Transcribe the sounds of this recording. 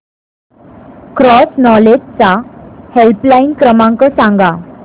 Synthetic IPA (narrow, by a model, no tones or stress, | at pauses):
kɾɔsnɔled͡ʑt͡sahelplainkɾəmãŋkəsãŋɡa